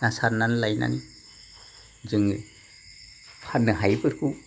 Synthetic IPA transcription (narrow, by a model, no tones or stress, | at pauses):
nasaɾnanlajna̰ni | zɯŋ | pʰanɯɦajbɯɾkʰu